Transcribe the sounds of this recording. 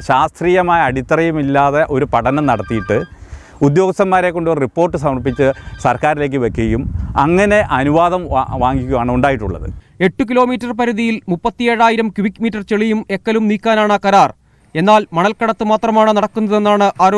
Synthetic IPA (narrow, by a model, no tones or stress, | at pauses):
ɕaːst̪riːjɐmaːjɐɐɽit̪ːɐrɐjumilːaːðeʔo̞ɾupɐɽɐnɐmnɐɽɐt̪ːijiʈːɨ | ud̪jo̞ːɡɐst̪ɐmːaːɾekːo̞ɳɖoɾripːo̞ːrʈːɨsɐmɐrpːit͡ɕːɨsɐrkaːɾile̞ːk̬ːɨʋekːuɐjumɐ̰ŋːɐne̞ʔɐnuʋaːðɐmʋaːŋɡikʲːumaːɳɨuɳɖaːjiʈːuɭːɐ̰ðɨ̰ | e̞ʈːuk̬ilo̞ːmiːtːɐrpɐɾuðijilmupːɐt̪ːijeːɻaːjiɾɐmkuʋikmiːtːɐrt͡ɕeɭijume̞kːɐlumniːkʲːaːnaːɳɐkɐɾaːr | e̞nːaːlmɐɳɐlkɐɽɐt̪ːɨmaːt̪rɐmaːɳɨnɐɽɐkːunːɐðe̞nːaːɳɨʔaːɾ